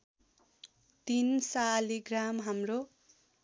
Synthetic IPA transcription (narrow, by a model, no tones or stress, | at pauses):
t̪insaliɡramɦamro